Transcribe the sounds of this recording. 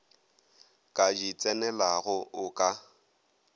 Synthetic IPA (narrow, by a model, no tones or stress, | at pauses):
kʼad͡ʒit͡sʼɛnɛlaɣʊʔʊkʼa